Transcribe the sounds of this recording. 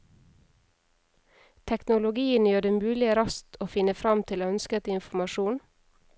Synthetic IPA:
t̪ʰɛknʊlʊɡiːənjøːɖɛmʉːlɪəɾɑst̪ʰoːfɪnəfɾɑmt̪ʰɪloːœnskət̪ɪnfʊmɑʃuːn

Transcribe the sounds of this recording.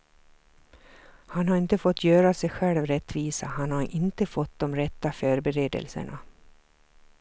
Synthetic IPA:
hanhaɾɪnt̪əfɔt̪ʰːjœːɾasɛjɧɛlvɾɛt̪ːviːsahanhaɾʔɪnt̪əfɔt̪ːd̪ɔmɾɛt̪ːafœːɾbɛɾeːd̪ə̰lsə̰ɳa

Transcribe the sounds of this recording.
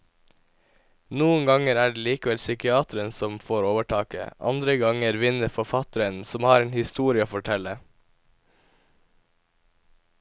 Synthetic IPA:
nuːəŋɡɑŋəɾæːɖeːliːkəʋɛlsʏkɪɑːt̪ɾənsɔmfoːɾoːʋəʈʰɑːkə̰ʔɑ̰nd̪ɾəɡɑŋəɾʋɪnəfɔfɑt̪əɾənsɔmhɑːɾeːnhɪst̪uːɾɪəfɔʈʰɛlə

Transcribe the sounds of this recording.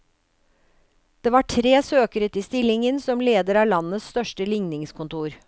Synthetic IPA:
d̪̥eːʋɑːʈʰɾeːsøːkəɾət̪iːst̪ɪlɪŋənsɔmleːd̪əɾɑːlɑnːəsst̪œʂʈəlɪŋnɪŋskʊnt̪uːɾ

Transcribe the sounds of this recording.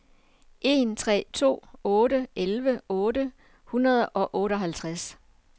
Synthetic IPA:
ʔe̝nt͡sʰʁɛ̰ːt͡sʰo̝̰ːɔ̽ːɾəʔelʋəɔ̽ːdə | hunɐð̞ˠʔɒ̽ʔɔ̽ːɾəɒ̽ɦælt͡sʰʁas

